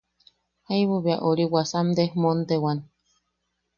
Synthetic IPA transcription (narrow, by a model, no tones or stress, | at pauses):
haiβuβiaʔoɾiwasamd̪ehmont̪ewan